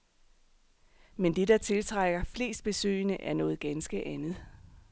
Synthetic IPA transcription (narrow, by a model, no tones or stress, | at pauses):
mend̥e̝dɑ̈t͡sʰe̝lt͡sʰʁaɡ̥ɐfle̝̰ːsd̥̚b̥e̝sø̰ːɪnəʔæɐnɔ̽ːð̩ˠɡ̥ænsɡ̥əʔænð̞̩ˠ